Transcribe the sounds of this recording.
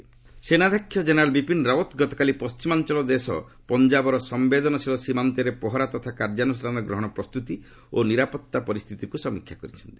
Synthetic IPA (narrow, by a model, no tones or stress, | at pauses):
senad̪ʱakʰːjɔd͡ʒenɔɾalbipinɾaot̪ɡɔt̪ɔ̥kalipɔst͡ʃimant͡ʃɔlɔd̪esɔ̰ | pɔnd͡ʒabɔɾɔsɔmbed̪ɔnɔsʰilɔsimant̪ɔɾepɔɦɔɾat̪ɔt̪ʰakaɾd͡ʒanusɾanɡɾɔɦɔɽ̃ɔpɾɔst̪ut̪i | oniɾapɔt̪ːapɔɾist̪ʰit̪ikusɔmikʰjakɔɾit͡ʃʰɔnt̪i̥